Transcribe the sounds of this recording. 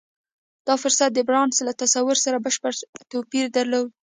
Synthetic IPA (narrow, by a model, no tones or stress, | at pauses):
d̪̥ɑfʊɾsat̪̚d̪əbɾɑnslat̪asawʊɾsaɾabəʃpəɾt̪opiɾd̪aɾlow